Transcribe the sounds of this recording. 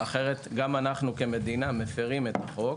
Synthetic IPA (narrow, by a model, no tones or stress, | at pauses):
aχe̞ʁet̪ɡamanaχnuke̞me̞d̪inamefeʁime̞t̪aχo̞k